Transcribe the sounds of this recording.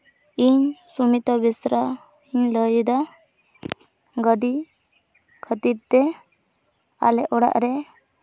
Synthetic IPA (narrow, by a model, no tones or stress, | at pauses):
iɲsumit̪abisɾa | iɲləjd̪a | ɡəɖi | kʰət̪iɾt̪ɛ | a̰lɛʔɔɽa̰ʔɾɛ